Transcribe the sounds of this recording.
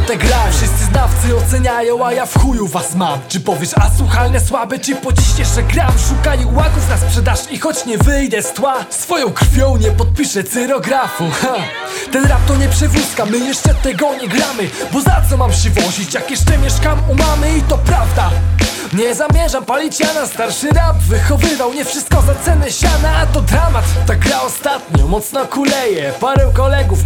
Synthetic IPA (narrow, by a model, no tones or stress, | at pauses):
t̪ɛɡɾafʂɨst̪sɨznaft̪sɨɔt̪sɛɲajɔ̃w̃ajafxujuvasmamt͡ʂɨpɔvʲjɛʂaswuxalnɛswabɛt͡ʂɨpɔt͡ɕiɕjɛʂt͡ʂɛɡɾamʂukalʲiwaɡufnaspʂɛd̪aʂixɔt͡ɕɲɛvɘjd̪ɛst̪wasfɔjɔ̃w̃kɾ̥fʲjɔ̃w̃ɲɛpɔt̪̚pʲiʂɛsɛɾɔɡɾafuxa | t̪ɛnɾap̚t̪ɔɲɛpʂɛvuskamɘjɛʂt͡ʂɛt̪ːɛɡɔɲɛɡɾamɘ | bɔzat̪sɔmamɕɛvɔʑit͡ɕjakjɛʂt͡ʂɛmʲjɛʂkamumamɘit̪ɔpɾavd̪a | ɲɛzamʲjɛʐampalʲit͡ɕjanast̪aɾʂɘɾapvɘxɔvɘvawɲɛfʂɨst̪̚kɔzat̪sɛnɛɕanat̪ɔd̪ɾamat̪t̪aɡɾaɔst̪at̪ɲɔ̰mɔt̪snɔkulɛjɛpaɾɛwkɔlɛɡuf